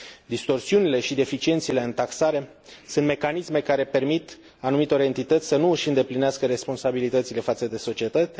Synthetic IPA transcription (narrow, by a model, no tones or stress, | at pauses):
d̪ist̪o̞rsiunile̞ʃid̪e̞fit͡ʃie̞nt̪sile̞ɨnt̪aksaɾe̞ | sunt̪me̞kanisme̞kaɾe̞pe̞rmit̪ | anumit̪eo̞ɾe̞nt̪it̪ət̪sʲsənuʃɨnd̪e̞plineaskəɾe̞spo̞nsabilit̪ət̪sile̞fat̪səd̪e̞so̞t͡ʃie̞t̪ət̪ʲ